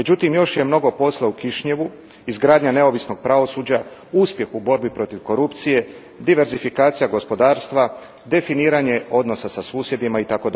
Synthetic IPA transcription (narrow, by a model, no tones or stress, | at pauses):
med͡ʒut̪imjo̞ʃje̞mno̞ɡo̞po̞slaukiʃɲe̞ʋu | izɡɾaːd̪ɲane̞o̞ʋisno̞ɡ̥̚pɾaʋo̞suːd͡ʑa | uspje̞xubo̞ɾbipɾo̞t̪iʋko̞ɾupt̪sije̞ | d̪iʋe̞ɾzifikaːt̪sijaɡo̞spo̞d̪aːɾst̪ʋa | d̪e̞finiːɾaɲe̞o̞d̪no̞sasasuːsje̞d̪imait̪ako̞d̪